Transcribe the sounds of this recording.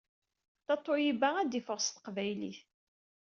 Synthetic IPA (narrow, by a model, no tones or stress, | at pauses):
θɑt̪ˤːojibææd̪ifəʁst̪ə̥qvæjlḭθ